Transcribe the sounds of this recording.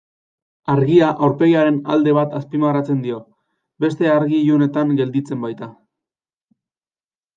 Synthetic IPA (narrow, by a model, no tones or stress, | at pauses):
aɾɣiaʔawɾpe̞ɣaɾe̞nald̪e̞β̞at̪aspimarat͡se̞nd̪io̞ | be̞st̪e̞aɾɣiʎune̞t̪aŋɡe̞ld̪it͡se̞mbajt̪a